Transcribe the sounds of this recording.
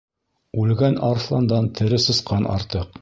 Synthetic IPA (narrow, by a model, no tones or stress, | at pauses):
ʉlɡænʔɑɾslˠɑnd̪ɑnt̪ʰɘ̆ɾɘsɤ̆sqɑnʔɑ̰ɾt̪ɤq